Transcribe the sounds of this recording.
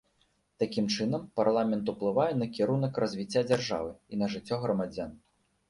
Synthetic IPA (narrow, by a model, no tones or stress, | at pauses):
t̪akʲimt͡ʂɨnɐmparlˠamʲɛnt̪uplˠɨvajɛnɐkʲiɾunɐkrɐzʲvʲit͡sʲːad͡zʲarʐa̰vɨinɐʐɨt͡sʲːɔɣɾɐmad͡zʲan